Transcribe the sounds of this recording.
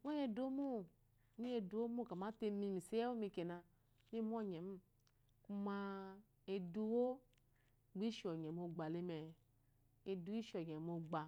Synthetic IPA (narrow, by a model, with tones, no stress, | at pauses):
ŋo˦je˧do˦mo˦˨ | ni˦e˧du˨˦o˦mo˦˨ka˨ma˨˦te˧mi˧mi˨se˦ɛ˦wo˦mi˧˨ke˨na˧˦ | m˦i˦m˦ɔ˦ɲɛ˨m̩˦ | ku˦ma˧ | e˧du˧wo˦ | ɡ͡bi˦ʃɔ˨ɲ˨ɛ˨mo˧ɡ͡ba˨le˦mɛ˨ | e˨du˦i˦ʃɔ˨ɲ˨ɛ˨m˦o˧ɡ͡ba˨